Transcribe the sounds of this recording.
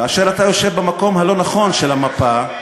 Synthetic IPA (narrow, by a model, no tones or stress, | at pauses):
kaːʃeʁatajo̞ʃevbamako̞mhalo̞naχo̞nʃelamapa